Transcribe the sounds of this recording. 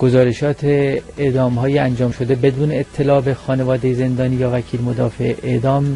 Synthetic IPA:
ɡ̥o̞zɒːɾe̞ʃɒːt̪ʰeed̪ɒːmɦɒːjeænd͡ʒɒːmʃo̞d̪e̞be̞d̪uːneːt̪ʰːe̞lɒːbexɒːnevɒːd̪ejeze̞nd̪ɒːniːjɒːvæcʰiːlmod̪ɒːfe̞ʔʔeʔd̪ɒːm

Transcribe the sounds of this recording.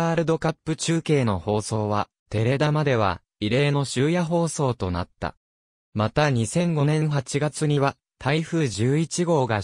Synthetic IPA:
aːɾɯ̟d̪o̞kapːɯ̟t͡ɕɨːke̞ːno̞ho̞ːso̞ːβ̞a | t̪e̞ɾe̞d̪amad̪e̞β̞a̰ | iɾe̞ːno̞ɕɨːjaɦo̞ːso̞ːt̪o̞na̰t̪ːa̰ | mat̪aɲ̟isẽ̞ŋɡo̞nẽ̞ɰ̃ɦat͡ɕiɡat͡sɨɲ̟iβa | t̪ʰaiɸɯ̟ːʑɨːit͡ɕiɡo̞ːɡa

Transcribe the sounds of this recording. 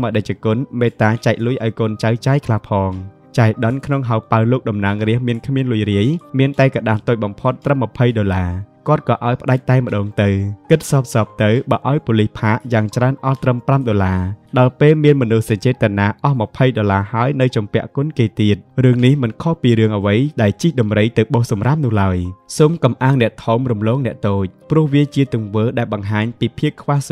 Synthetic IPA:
məɗəc̚t͡ɕakʊnmeːt̪aːt͡ɕaɛk̚luəjʔaɔjkoːnt͡ɕawt͡ɕaɛjkʰlahpʰɑːŋ | t͡ɕaɛjɗənkʰnoŋɦawpaəwloːk̚ɗɑmnaəŋriəhmiənkʰmiənluəjriəjmiənt̪aɛkaɗalt̪oːc̚ɓɑmpʰot̪ːrəmːɑpʰəjɗolaːkŏət̪̚kɑːʔaɔjpə̆ɗac̚t̪aɛmə̆ɗɔːŋt̪ɨwkɨt̪̚sɑːp̚sɑːp̚t̪ɨwɓaːʔaɔjpolihpʰaːʔjaːŋt͡ɕraənʔɑlt̪rəmpramɗolaːɗɑlpeːlmiənmɔnuhsɑɲt͡ɕeːt̪ːənaːʔɑhmɑpʰəjɗolaːhaəjnɨwt͡ɕɑmpɛ̆əʔkʊnkeːt̪iət̪̚rɨəŋnihmɨnkʰohpiːɾɨəŋʔəʋəjɗaɛlt͡ɕihɗɑmrəjt̪ɨwɓoːhsɑmram̚nʊ̆əhlaəjsoːmkɑmʔaːəŋnɛ̆əʔt̪ʰumrumloːk̚nɛ̆əʔt̪oːc̚prʊ̆əhʋiət͡ɕiət̪uəŋʋəːɗaɛlɓɑŋɦaːɲpiːpʰiəpkʰʋah

